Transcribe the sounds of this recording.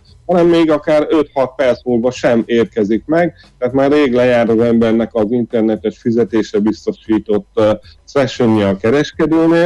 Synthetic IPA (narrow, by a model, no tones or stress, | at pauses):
hɒnɛmːeːɡɒkaːɾø̞t̪hɒt̪̚pɛrt̪smuːlvɒʃɛmeːrkɛzikmɛɡ | t̪ɛat̪maːrːeːɡlɛjaːɾɒzɛmbɛrnɛkɒzint̪ɛrnɛt̪ɛt̪fizɛt̪eːʃɛbist̪o̞ʃiːt̪o̞t̪ːsɛʃøɲiɒkɛɾɛʃkɛd̪øːneː